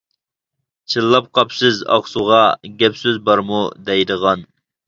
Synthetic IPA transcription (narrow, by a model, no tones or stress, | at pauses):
t͡ʃʰɨlˠːɑp̚qʰɑpsɪzɑ̰χsuʁɑɡʲɛpsɪzbɑɾmud̪ɛjd̪əʁɑn